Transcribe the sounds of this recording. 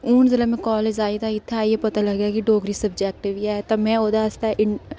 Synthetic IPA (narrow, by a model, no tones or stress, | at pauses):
uːnzɪləmẽkɔːleːd͡ʒaːit̪ʰaɪt̪ʰːaːijepɐt̪alɐɡjakiɖoːɡɾisɐbd͡ʒɛːk̚ʈɪʋiaːt̪ɐmɛ̃ːoːd̪aɐst̪aʔɪ